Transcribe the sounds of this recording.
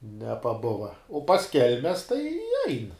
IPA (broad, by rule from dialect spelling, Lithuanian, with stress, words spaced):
nʲɛpɐˈbʊʋɐ oː pɐs ˈkʲɛlʲmʲɛs tɐɪ ɛɪn